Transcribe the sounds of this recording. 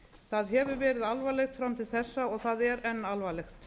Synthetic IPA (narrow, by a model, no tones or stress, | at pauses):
θaðɦɛvʏɾvɛːɾɪðalvalext̪fɾamt̪ʰɪlθɛsːaɔɣθaðɛɾɛnːalvalɛxt̪